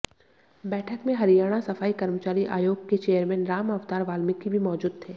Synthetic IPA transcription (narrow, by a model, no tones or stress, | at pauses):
bɛːʈʰəkmẽɦɐɾijaːɽ̃asɐfaːikɐɾmət͡ʃaːɾiʔa̰ːjoːɡket͡ʃeːəɾmɛ̃ːnɾaːmɐʋt̪aːɾʋaːlmɪkːibʱimɔːd͡ʒuːd̪̚t̪ʰeː